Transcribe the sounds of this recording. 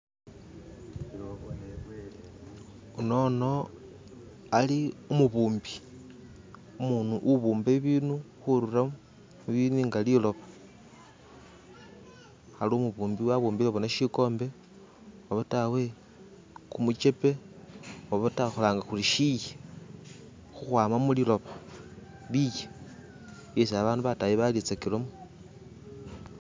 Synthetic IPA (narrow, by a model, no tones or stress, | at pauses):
uno̞no̞ | aliumuβuːmbi | umuːnuʔuβuːmbeβiːnu | xuɾuramu | iβiniŋɡalilo̞βḁ | xalomuβuːmbiwaβuːmbiloβonaʃiko̞ːmbe̞ | aβatawe̞ | kumut͡ʃe̞pe̞ | woβataxolaːŋɡaxuliʃije | xuxwaːmamulilo̞βa | lije | jesaβaːnduβatajiβalit͡sakilomo